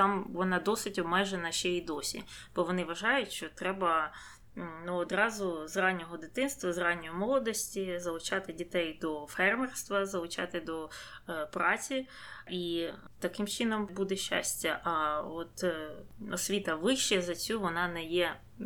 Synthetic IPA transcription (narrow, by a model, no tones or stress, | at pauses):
t̪ɑmʋɔnɑd̪ɔsɪtʲɔbmɛʒenɐʃt͡ʃɛid̪ɔsʲḭb̥ɔʋɔnɪʋɐʒɑjʊtʲʃt͡ʃɔt̪ɾɛbɐ | nuɔd̪ɾɑzʊzrɑnʲːɔɦɔd̪ɪt̪ɪnst̪ʋɐzrɑnʲːɔjʊmɔlˠɔd̪ɔsʲtʲizɐlˠʊt͡ʃɑt̪ɪdʲit̪ɛjd̪ɔfɛrmɛrst̪ʋɐzɐlˠʊt͡ʃɑ̰t̪ɪd̪ɔpɾɑt͡sʲi | i | t̪ɐkɪmt͡ʃɪnɔmbud̪ɛʃt͡ʃːa̰sʲtʲːɐʔɐɔt̪ | ɔsʲʋʲit̪ɐʋɪʃʃɛzɐt͡sʲuʋɔnɑnɛjɛ